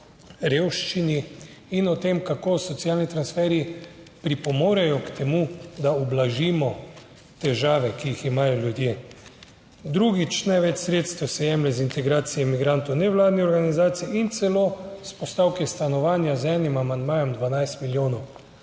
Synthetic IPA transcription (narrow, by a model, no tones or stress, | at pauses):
ɾeːwʃt͡ʃiniː | nɔt̪emkakoːsɔt̪siaːlnit̪ɾansfɛːɾi | pɾipɔmoːɾɛjɔkt̪ʰɛmud̪aɔblaʒiːmɔ | t̪ɛʒaːʋɛkiiximaːjɔljud̪jeː | d̪ɾuɡit͡ʃnajʋɛt͡ʃsɾeːt̪st̪sɛjɛmlɛzint̪ɛɡɾaːt̪sijɛmiɡɾant̪ɔwnɛʋlaːd̪niɔɾɡanizaːt̪siiint̪sɛlospɔst̪aːwkɛst̪anɔʋaːnjazɛːnimamand̪maːjɔmd̪ʋanajst̪miljoːnɔw